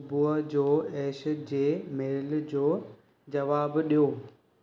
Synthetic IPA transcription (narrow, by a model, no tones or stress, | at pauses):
buːəd͡ʑoːɛːʃəd͡ʑeːmeːld͡ʑoː | d͡ʑɐʋaːbɗijoː